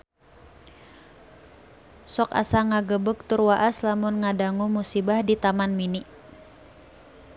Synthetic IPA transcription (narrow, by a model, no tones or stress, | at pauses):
sɔka̰saŋaɡəbək̚t̪urwaʔaslamʊnŋadaŋumusibahdit̪amanminiʔ